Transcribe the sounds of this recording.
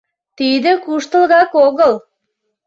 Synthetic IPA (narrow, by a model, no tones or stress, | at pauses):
t̪id̪ə̆kuʃt̪ə̆lɣɑkoɣəl